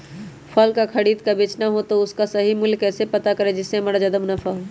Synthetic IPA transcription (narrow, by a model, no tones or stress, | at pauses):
pʰəlkakʰəɽiːd̪̚kabeːt͡ʃnaɦot̪oʊskasɐɦimʊlkɛːsepɐt̪akɐɾed͡ʒɪsemɐɽad͡ʒɐd̪əmnɐfaɦoː